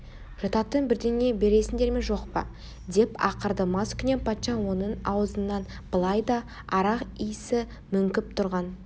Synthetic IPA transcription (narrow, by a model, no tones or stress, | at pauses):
ʒ̥ɑt̪ɑt̪ːəɴbɪɾd̪ene̞be̞ɾe̞sɪnd̪e̞ɾme̞nʒo̞qpɑ̰ | d̪e̞pɑqəɾd̪əmɑskʲʰʏne̞npʰɑt̪ʃɑnwo̞nənɑwəzənːɑn | b̥əlˠɑjd̪ɑ | ɑɾɑqijsɪ | mʏŋkʲɪp̚t̪ʰʊɾʁɑn